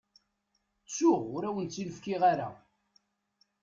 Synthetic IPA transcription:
t͡sːʊʁʊɾæwənt͡sːiləfkiʁaɾa̰

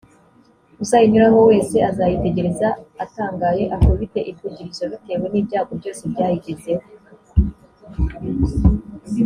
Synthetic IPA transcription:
usajiɲuɾaho̞we̞ːse̞azajite̞ɟe̞ɾe̞zaːtaːŋɡaje̞ʔahoβite̞ʔikuɟiɾizoβite̞we̞niːbɟaːɡo̞bjo̞ːse̞bɟaːjiɟe̞ze̞ho

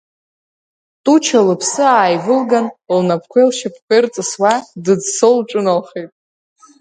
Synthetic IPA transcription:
tʼut͡ʃʰalɨpʰsɨaːjvɨlɡanlnapʰkʷʰejlʃapʰkʰʷert͡sʼɨswadɨd͡zsolʈ͡ʂʼʊnalχejtʼ

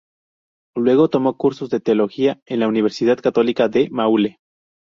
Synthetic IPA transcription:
lwe̞ɣ̞o̞t̪o̞mo̞kuɾso̞zðe̞t̪eo̞lo̞xiae̞nlauniβ̞e̞ɾsið̞aðkat̪o̞likaðe̞maule

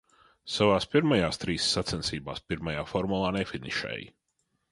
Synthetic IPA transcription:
savaːspiɾmajaːst̪ɾiːsːat̪sɛnsiːba̰ːspiɾmajaːfɔɾmulˠaːnefiniʃɛ̰ːji

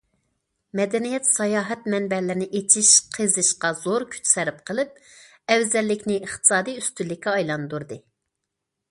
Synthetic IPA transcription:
mɛd̪ɛnijɛt̪sɑjɑːɦɛt̪mɛnbɛlɪɾɪnɪʔet͡ʃʰiʃqʰəzɨʃqɑzoɾkʲʰy̥t͡ʃsæɾɪp̚qʰəlˠɨp̚ | ɛwzɛlːɪkʲnɪəχt̪ʰɨ̥sɑːd̪ijyst̪ylːɪkʲːɛɑjlˠɑnd̪uɾd̪ɨ

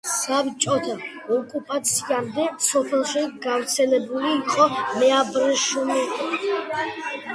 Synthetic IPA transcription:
savit͡ʃʼɔt̪ʰa | ɔkʼupʼat̪sʰiamd̪ɛsɔpʰɛlˠʃiɡavɾt̪sʰɛlɛbuliːqʼɔmɛabɾɛʃuni

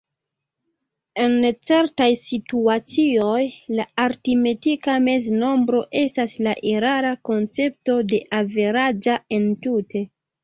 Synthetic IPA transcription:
e̞nt͡se̞ɾtajsituat͡siojlaaɾtime̞tikame̞zno̞mbɾo̞ʔe̞staslaʔeɾaɾako̞nt͡se̞p̚to̞de̞ʔave̞ɾad͡ʒae̞ntute̞

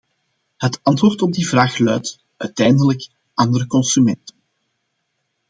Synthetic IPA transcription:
hətɑntʋoːrtɔb̚divraːxlœɥt | œɥtɛjndələk | ʔɑndəɾəkɔnsymɛntən

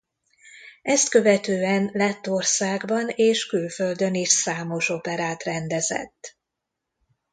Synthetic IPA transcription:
ɛst̪kø̞vɛt̪øːɛnlɛt̪ːo̞rsaːɡbɒneːʃkylføld̪ø̞niʃsaːmo̞ʃopɛɾaːt̪rɛnd̪ɛzɛ̰t̪ː

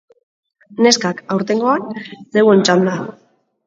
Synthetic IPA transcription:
ne̞skakawɾt̪e̞ŋɡo̞anse̞we̞nt͡ʃand̪a

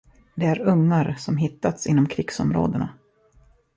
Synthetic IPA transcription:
d̪ɛæɾɵŋːaɾsɔmɦɪt̪ːat̪sɪnːɔmkʰɾɪɡsɔ̰mɾo̰ːd̪əna̰

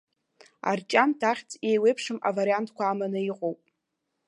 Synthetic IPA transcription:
a̰rt͡ʃʼamtʰaχʲt͡sʼjejwejpʰʂɨma̰vaɾijantʰkʷaːmanɨiqʷʼowpʼ

